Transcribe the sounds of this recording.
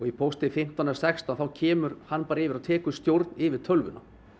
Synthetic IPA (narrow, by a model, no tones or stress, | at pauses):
ɔɣipʰowst̪ɪfɪm̥t̪anɛsɛkst̪anθawcʰɛːmʏɾ̥hanːpaːɾaɪːvɪɾaðt̪ʰɛːkʏst̪jowɾt̪nɪvɪð̥t̪ʰœlvʏnʔa̰